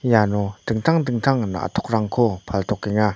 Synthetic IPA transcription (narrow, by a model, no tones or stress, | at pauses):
janot̪ək̚t̪ʰaŋd̪əŋ̥̚t̪ʰaŋna̰t̪ʰoχraŋkʰopʰalt̪ʰoχkiŋa